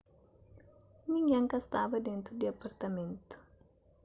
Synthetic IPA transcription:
miŋaŋkast̪avadɛnt̪ud̪iapart̪amɛnt̪u̥

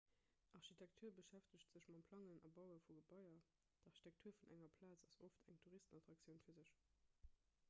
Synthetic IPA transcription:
ʔɑʁɕitʰæk̚tʰuːɐbəʃæftəɕtz̥əɕmɑmpʰlɑŋənɑbɑʊəfuɡəbɑɪɐ | tʰɑʁɕitʰæk̚tʰuːɐfunʔæŋɐpʰlaːt͡sɑsoftʰæŋtʰuʁistənɑtʁ̥ɑk̚sjəʊnfiːɐzəɕ

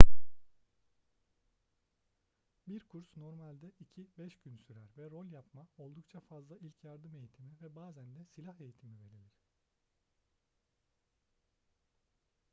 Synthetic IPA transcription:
biɾkʰuɾsno̞ɾmalʲd̪ɛicʰibɛʃɟynsyɾæɾvɛɾo̞lʲˠjapmao̞lˠd̪ukt͡ʃʰafazlˠailʲcʰjaɾd̪ɯme̞jit̪ʰimivɛbaːzænd̪ɛsilʲahe̞jit̪ʰimive̞lʲilʲiɾ̥

